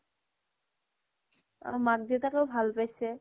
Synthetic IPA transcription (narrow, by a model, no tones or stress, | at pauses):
a̰mak̚d̪it̪akewbʱalpajse